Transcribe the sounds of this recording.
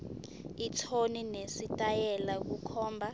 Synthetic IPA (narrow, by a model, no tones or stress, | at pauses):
itʰoninesitʼajɛlak̬ukʰɔːmbʱa